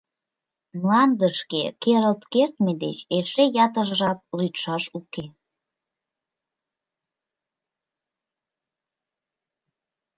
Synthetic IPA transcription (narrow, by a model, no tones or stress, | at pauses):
mlɑnd̪əʃkḛkeɾəlt̪kert̪med̪ḛt͡ɕeʃejɑt̪əʒʒɑp̚lyt̪ʃɑʃuke